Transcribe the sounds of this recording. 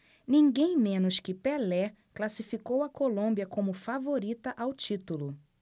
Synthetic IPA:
nĩŋɡẽj̃mẽnʊskɪpelɛ | klasifikowɐkolõbiɐkõmʊfavoɾit̪ɐʔawt͡ʃit̪ulʊ

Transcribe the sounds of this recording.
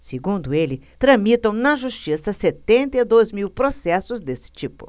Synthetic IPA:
seɡũnd̪ʊelɪt̪ɾɐ̃mit̪ɐ̃w̃nɐʒust͡ʃisɐset̪ẽnt̪ɐid̪ojzmiwpɾosɛsʊzd̪esɪ̥t͡ʃipʊ̥̰

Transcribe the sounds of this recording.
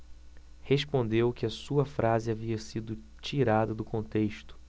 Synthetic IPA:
heʃpõnd̪ewkɪɐsuɐfɾʔazɪaviɐsid̪ʊ | t͡ʃiɾad̪ɐd̪ʊkõnt̪eʃt̪ʊ̥

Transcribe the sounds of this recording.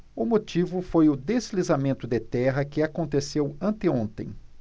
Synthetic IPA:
ʊmot͡ʃivʊfojʊd̪ezlizamẽnt̪ʊd̪ɪt̪ɛɦɐkɪakõnt̪esewɐ̃nt̪ɪõnt̪ḛ̃j̃

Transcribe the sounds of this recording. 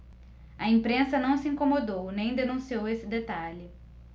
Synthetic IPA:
ɐẽmpɾẽsɐnɐ̃w̃sɪĩŋkomod̪ownẽj̃d̪enũsiowesɪd̪et̪aʎɪ

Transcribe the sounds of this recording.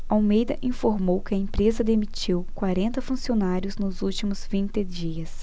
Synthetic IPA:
awmejd̪ɐʔĩfoɾmowkɪɐẽmpɾezɐd̪emit͡ʃiwkwaɾẽnt̪ɐfũsionaɾjʊznʊzuwt͡ʃimʊzvĩnt̪ɪd͡ʒiɐs

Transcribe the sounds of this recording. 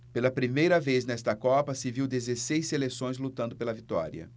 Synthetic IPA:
pelɐpɾimejɾɐveznɛst̪ɐkɔpɐsɪviwd̪ezesejsːelesõj̃zlut̪ɐ̃nd̪ʊpelɐvit̪ɔ̰ɾiɐ̰

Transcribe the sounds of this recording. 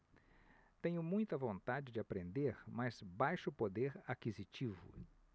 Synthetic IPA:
t̪ẽɲʊmũj̃t̪ɐvõnt̪ad͡ʒɪd͡ʒɪapɾẽnd̪eɾmajz̥bajʃʊpod̪eɾakizit͡ʃivʊ̰

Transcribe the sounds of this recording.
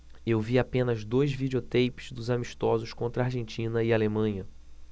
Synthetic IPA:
ewviapẽnɐzd̪ojzvid͡ʒiot̪ejpi̥zd̪ʊzamiʃt̪ɔzʊʃkõnt̪ɾɐaɾʒẽnt͡ʃĩnɐialemɐ̃ɲɐ

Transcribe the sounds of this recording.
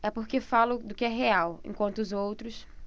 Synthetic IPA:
ɛpoɾkefalʊd̪ʊkɪɛɦeawḛ̃kwɐ̃nt̪ʊːzowt̪ɾʊs

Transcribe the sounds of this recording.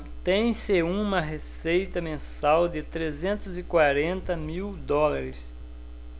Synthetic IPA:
t̪ẽj̃sɪũmɐɦesejt̪ɐmẽsawd̪ɪt̪ɾezẽnt̪ʊzɪkwaɾẽnt̪ɐmiwd̪ɔlaɾɪs

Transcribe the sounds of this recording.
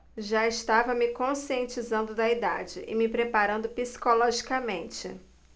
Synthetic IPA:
ʒaɪʃt̪avɐmɪkõsiẽnt͡ʃizɐ̃nd̪ʊd̪ɐid̪a̰d͡ʒɪʔɪ̰mɪpɾepaɾɐ̃nd̪ʊpisi̥kolɔʒikɐmẽnt͡ʃɪ̰

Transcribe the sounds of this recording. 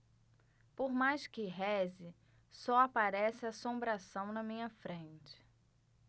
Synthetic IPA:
poɾmajskɪɦɛzɪ | sɔapaɾɛsɪasõmbɾasɐ̃w̃nɐmĩɲɐfɾẽt͡ʃɪ̥

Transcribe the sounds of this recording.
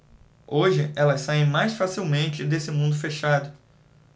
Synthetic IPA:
oʒɪɛlɐssaẽj̃majsfasiwmẽnt͡ʃɪd̪esɪmũnd̪ʊfeʃad̪ʊ

